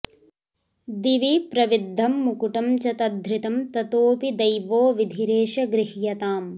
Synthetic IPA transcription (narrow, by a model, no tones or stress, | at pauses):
d̪iʋipɾɐʋid̪ʱːɐmːukuʈɐmt͡ʃɐt̪ɐd̪ʱɾɪt̪ɐmt̪ɐt̪oːpid̪ɐjʋoːʋid̪ʱiɾeːʃɐɡɾɪhjɐt̪aːm